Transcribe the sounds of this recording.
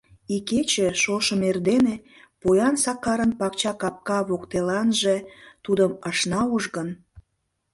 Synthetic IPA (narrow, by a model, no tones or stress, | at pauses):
iket͡ɕĕʃoʃəmerd̪ene | pojɑnsɑkɑɾənpɑkt͡ɕɑkɑp̚kɑβokt̪elɑnʒet̪ud̪əməʃnɑuʒɣən